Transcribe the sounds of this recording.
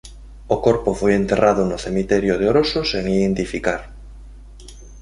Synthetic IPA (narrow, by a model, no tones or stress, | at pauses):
okoɾpofojent̪eraðʊnʊθemit̪ɛɾjʊðeoɾosʊseŋiðent̪ifikaɾ